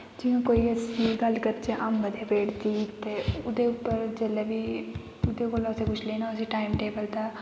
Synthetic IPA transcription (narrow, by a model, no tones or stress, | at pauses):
d͡ʒɪjõːkoːiəsĩːɡəlkəɾt͡ʃeʔaːmbəd̪eːpeːʈt̪iːt̪eːʊd̪eʊpːəɾd͡ʒeːlebiː | ʊd̪eːkoːləsẽːkʊt͡ʃʰleːnãəsĩːʈaːɪmʈeːbəlt̪aː